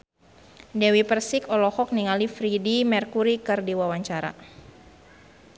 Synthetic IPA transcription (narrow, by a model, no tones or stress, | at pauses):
dɛwipərsikɔlɔhɔk̚niŋalifɾidimɛrkuɾikɨrdiwawaɲt͡ʃaɾa̰